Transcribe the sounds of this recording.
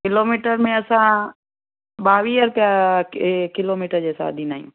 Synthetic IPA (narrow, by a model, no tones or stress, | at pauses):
kɪloːmiːʈəɾmẽɐsã | ɓaːʋiːəɾpa | kɪloːmiːʈəɾd͡ʑeːsa̰ːd̪ʱiːnaːijṵ̃ː